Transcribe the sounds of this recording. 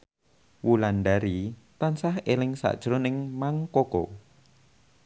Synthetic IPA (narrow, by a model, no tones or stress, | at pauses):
wulandaɾit̪ansaɦelɪŋsa̰ʔd̥ʒ̥ɾʊnɪŋmaŋkoko̰